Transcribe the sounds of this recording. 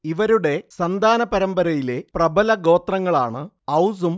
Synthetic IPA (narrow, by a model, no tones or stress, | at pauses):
iʋɐɾuɽe̞sɐnd̪ʱaːnɐpɐɾɐmbɐɾɐjile̞prɐbʱɐlɐɡo̞ːt̪rɐŋːɐɭaːɳɨ | ɐwsum